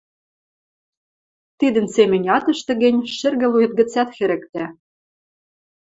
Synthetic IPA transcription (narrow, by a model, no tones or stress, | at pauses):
t̪id̪ə̆nsemʲɘ̆nʲɑt̪ɤ̆ʃt̪ɤ̆ɣɘ̆nʲʃɘ̆rɣɘ̆lujɤ̆t̪̚ɡɘ̆t͡sæt̪xɘ̆ɾɘ̆kt̪æ